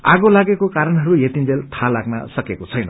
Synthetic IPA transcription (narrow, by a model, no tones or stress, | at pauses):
a̰ɡolaɡekokaɾʌnɦʌɾujet̪ind͡zelt̪ʰalaɡnʌ̰sʌkekot͡sʰʌjnʌ